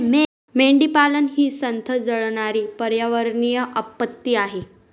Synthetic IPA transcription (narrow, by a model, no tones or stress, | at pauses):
me | meɳɖipalənɦiːsənt̪ʰəd͡zəɭɳaɾiːpəɾjaʋəɾɳijəʔəpːət̪ːiːaɦe